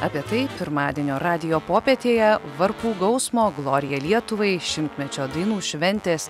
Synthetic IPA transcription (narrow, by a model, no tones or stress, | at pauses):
ɐpʲiɛt̪ɐɪpʲɪɾmɑːd̪ʲiɛnʲoːɾɑːd̪ʲɪjoːpoːpʲeːt̪ʲeːjɛʋɐɾpuːɡɐʊsmoːɡlˠoːɾʲɪjɛlʲiɛt̪ʊʋɐɪʃʲɪmʲt̪ʲmʲɛt͡ʃʲoːd̪ɐɪnuːʃʲʋʲɛnʲt̪ʲeːs